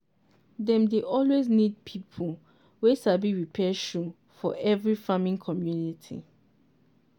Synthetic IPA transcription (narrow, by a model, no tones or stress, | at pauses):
dɛ̃mdeʔɔlweznid̚pʰipʰu | wet͡ʃabiɹipʰɛʃu | fɔ̰ʔɛvɹifamĩŋkʰɔmjunitʰḭ